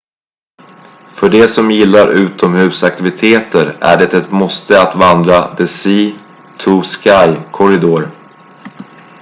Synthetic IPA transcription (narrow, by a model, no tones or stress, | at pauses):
fœɖɛsɔmjɪlːaɾʉ̟ːt̪ʰɔmhʉ̟ːsak̚t̪ɪvɪt̪ʰeːt̪əɾæ̰ɖɛt̪ɛt̪mɔst̪əat̪vand̪ɾad̪ɛsiː | t̪ʰuskajkʰɔɾɪd̪oːɾ